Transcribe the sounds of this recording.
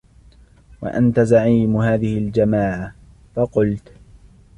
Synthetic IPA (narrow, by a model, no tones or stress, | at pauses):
wa̰ʔa̰nt̪azaʕiːmɦaːðɪhɪld͡ʒamaːʕa | fɑqʊlt̪